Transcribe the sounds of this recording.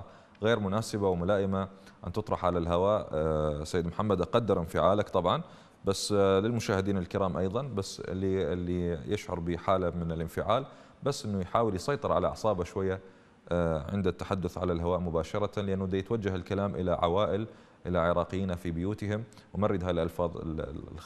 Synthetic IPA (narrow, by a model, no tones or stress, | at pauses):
ɣeːɾmʊnaːsɪbawmʊlaːʔɪmaʔant̪ɨt̪ˤɾˤɑħʕalalɦawaːʔsːajːɪd̪mħamːad̪qɑd̪ːɑɾˤʔɪnfɪʕaːlakt̪ˤɑbʕɑn | basːlɪlmʊʃaːhɪd̪iːnɪlkɪɾɑːmʔɑjðˤɑnbasːlːiɪlːijɪʃʕʊ̰ɾˤbiːħaːlamɪnɪlʔɪnfɪʕaːl | basːʔɪnːujħaːwɪljsˤɑjt̪ˤɨɾˤʕalaʕɑsˤɑːbaʃwajːa | ʕɪ̰nd̪at̪ːḁħad̪ːʊθʕa̰lalɦawaːʔmʊbaːʃɑɾˤɑt̪anlɪʔanːʊd̪ajɪt̪wad͡ʒːahɪlkalaːmʔɪ̰laʕa̰waːʔɪl | ʔɪlaʕɪɾˤɑːqjːiːnafibɪjuːt̪ɪhɪm | wmarːɪd̪ɦalʔalfɑːðˤɪ̰